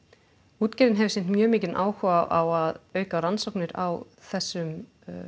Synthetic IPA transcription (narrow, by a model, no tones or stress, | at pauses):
uːt̪cɛːɾðɪnɦɛvɪ̥ɾsɪnt̪mjœːmɪːcɪnʔaːwhɔaʔawaðœːɥkaɾansowknɪɾa̰w | θɛsːʏm